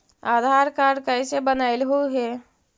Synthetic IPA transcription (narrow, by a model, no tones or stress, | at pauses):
aːd̪ʱaːɾkaːɾɾkəɪsebənaɪlɦoɦɛː